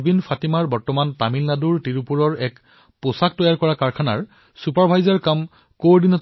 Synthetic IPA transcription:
binfʰatimaɹbɔɹtɔmantamilːaduɹtiɹupuɹɔɹɛk | posak̚tɔjaɹkɔɹakaɹkʰana̰ɹ | supaɹbʱajzaɹkam | kowdinɔt

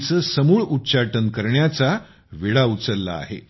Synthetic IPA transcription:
t͡səːsəmuːɭutːɕaʈənkəɾɳjat͡sa | ʋiɭaut͡səɾːa̰a̰ːɦḛ

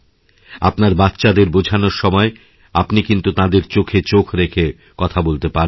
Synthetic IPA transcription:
apnaɾbat̪ːɕad̪eɾbod͡ʑʱanoɾʃɔmɔe | apnikint̪ut̪ãd̪eɾt͡ɕokʰet͡ɕokʰɾekʰe | kɔt̪ʰabolt̪epaɾ

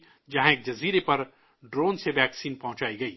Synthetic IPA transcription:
d͡ʒɐɦãeːk̚d͡ʒɐziːɾepɐɾ | ɖɾoːnseʋɛːksiːnpɐɦʊ̃t͡ʃaːiɡɐiː

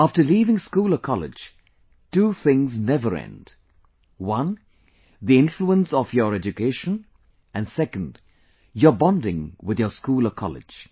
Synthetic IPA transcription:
aftəliːvɪ̃ŋskuːləkʰɔlɪ̰̥d͡ʒ | tuːθɪ̃ŋznɛvəɾɛ̰̃nd | wʌ̃n | ðiɪ̃nfluə̃nsɔfjɔɾɛd͡ʒukeɪʃə̃n | ʔæ̃nsɛkə̃nd | jəbɑ̃ndɪ̃ŋwɪðjəskuːləkʰɔ̰lɪ̰̥d͡ʒ̥

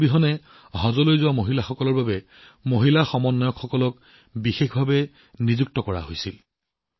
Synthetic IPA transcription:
biɦɔnɛ | ɦɔ̃zɔlojzʊwamoɦilaxɔkɔlɔɹbabɛ | moɦilaxɔmɔnːajɔkxɔkɔlɔk | bixexbʱabɛ | nizuk̚tɔkɔɹa̰ɦojsil

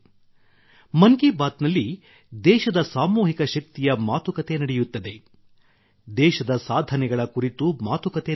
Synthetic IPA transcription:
mɐŋkibaːt̪nɐlːi | d̪ɛːʃɐd̪ɐsaːmuːɦikɐʃɐk̚t̪ijɐmaːt̪ukɐt̪e̞nɐɽɛjut̪ːɐd̪e̞ | d̪ɛːʃɐd̪ɐsaːd̪ʱɐnɛɡɐɭɐkuɾit̪umaːt̪ukɐt̪e̞

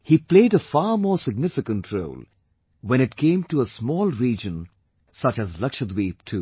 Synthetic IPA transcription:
hipleɪɾəfɑːɾmɔːɹsɪɡ̚nɪfɪkə̃nʈʰɹo̰ʊl | wɛ̃ñɨt̚kʰẽɪ̃mtuəsmɔːlˠɹid͡ʒə̃n | sʌt͡ʃæzlʌkʃəd̪wiptʰuː

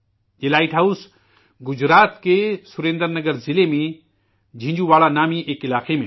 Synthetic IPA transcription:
elaːiʈɦaʊs | ɡʊd͡ʒɾaːt̪kesʊɾẽːnd̪əɾnɐɡəɾzɪlemẽ | d͡ʒʱɪ̃ɲd͡ʒuʋaːɭanaːmiʔeːkɪlaːqemẽ

